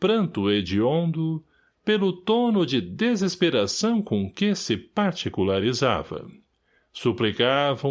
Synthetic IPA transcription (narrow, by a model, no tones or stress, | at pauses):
pɾɐ̃nt̪ʊed͡ʒiõnd̪ʊ | pelʊt̪onʊd͡ʒɪd̪ezespeɾasɐ̃w̃kõkɪsɪpaɾt͡ʃikulaɾiza̰vɐ̰ | suplikavɐ̃